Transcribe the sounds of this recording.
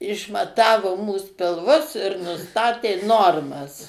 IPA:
ɪʃmɐˈtɑːʋoː muːs pʲɪlˠˈʋʊs ɪr nʊˈstɑːtʲeː ˈnoːrmɐs

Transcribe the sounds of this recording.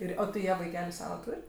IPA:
ˈɪr ˈoː tɐɪ ˈjiɛ ʋɐɪˈkʲæːlʲʊ ˈsɑːʋɐ ˈtuːrʲ

